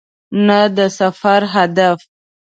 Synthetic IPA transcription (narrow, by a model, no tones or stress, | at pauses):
nad̪əsafaɾɦad̪af